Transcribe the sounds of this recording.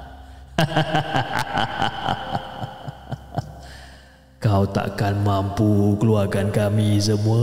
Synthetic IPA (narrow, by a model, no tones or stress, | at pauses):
kawt̪a̰ʔkanmampukəluarkankamisəmua